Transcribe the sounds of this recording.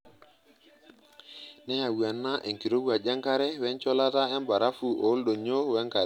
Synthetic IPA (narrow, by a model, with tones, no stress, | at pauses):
nɛ˦ja˨wu˨a˨nːa˦ʔe˨ŋki˨ɾo˦ɡu˦a˨d͡ʒa˦ŋka˦ɾɛ˦wɛ˦nt͡ʃɔ˦la˦ta˦ɛ˦mba˨ɾa˦fu˨ʔo˨˦lɗo˨ɲo˦wɛ˦ŋka˨